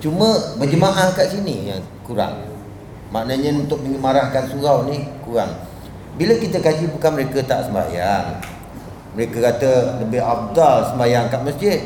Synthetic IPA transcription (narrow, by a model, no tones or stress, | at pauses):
t͡ʃumə̃bəd͡ʒəmaʔahkaʔsinijaŋ | kuɾa̰ŋ | maʔnəɲə̃unt̪ʊk̚məɲəmaɾahkansuɣawnikuɣaŋ | biləkit̪əkad͡ʒipukaməɾekət̪aʔsəmba̰jaŋ | məɾekəkat̪ələbɪɦaf̚d̪alsəmbajaŋkaʔməsd͡ʒɪd̪̚